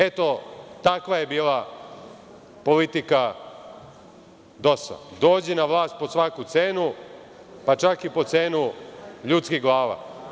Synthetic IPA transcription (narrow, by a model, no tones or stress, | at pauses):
et̪o̞t̪akʋaje̞biːlˠa | po̞lit̪ika | d̪o̞sa̰d̪o̞ːd͡ʑenaʋlˠaːst̪̚posʋakut̪seːnu | pat͡ʃakipo̞t̪se̞ːnuʎut̪skiɦɡlˠaːʋa̰